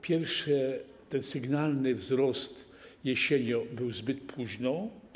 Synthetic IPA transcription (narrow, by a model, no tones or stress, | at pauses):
pʲjɛɾfʂɛt̪ɛnsɘɡnalnɘvzɾɔst̪ | jɛɕeɲɔbɘwzbɘt̪̚pʰwuʑnɔ